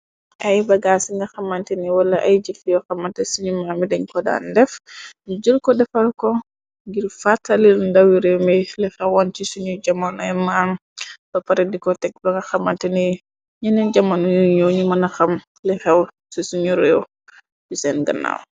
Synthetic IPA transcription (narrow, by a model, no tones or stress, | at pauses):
ʔajbaɡaːsiŋɡɐxamantɛniwalːaʔajd͡ʒilijɔxamːantɛsiɲumamidɛɲkɔda̰ndɛfd͡ʒilkɔdɛfalkɔ | ŋɡiɾfatːalilndawiɾɛmɛlɛxɛwːant͡ʃisuɲud͡ʒamːanɔɛmanb̥apaɾedikɔtɛɡ̚baŋɡɐxamːantɛni | ɲɛnɛnd͡ʒamːanujuɔɲumanaxam | lɛxɛw | sisuɲuɾɛw | bisɛnɡɐ̰nːa̰w